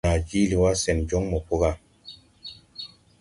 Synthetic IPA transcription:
a˨d͡ʒi˦li˨wa˦sɛ˨nd͡ʒɔ˦ŋmɔ˨ko˦ɣa˦˨

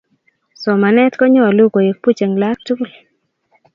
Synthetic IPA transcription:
sɔ˨ma˨nɛ˦t̪kɔ˦ɲɔ˦˨lu˦ɡo˨je˨k̚pu˦t͡ʃe˨ŋla˦tu˦˨l

